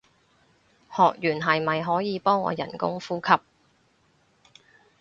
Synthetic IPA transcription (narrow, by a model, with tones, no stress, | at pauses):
hɔː˨k̚jyː˨˩nɦɐ˨jmɐ˨jɦɔː˨˥jiː˨˧pɔː˥ŋɔ̰ː˨˧jɐ̰˨˩nkʊ̰˥ŋfuː˥kʰɐ˥p̚